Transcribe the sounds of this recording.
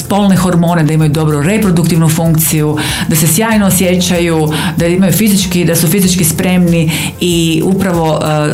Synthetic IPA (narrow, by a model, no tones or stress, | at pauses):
spo̞lˠnexo̞ɾmo̞ːne̞d̪aimajud̪o̞bɾoɾe̞pɾod̪ukt̪iʋnufuŋk̚t̪siju | d̪ase̞sjaːjnoːsje̞t͡ɕaju | d̪aimajufizit͡ʃkid̪asufizit͡ʃkispɾe̞mni | iupɾaʋo̞